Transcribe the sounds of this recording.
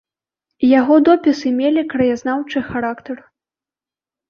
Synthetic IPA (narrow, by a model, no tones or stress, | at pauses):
jaɣɔd̪ɔpʲisɨmʲelʲikɾɐjaznawt͡ʂɨxaɾakt̪ɐr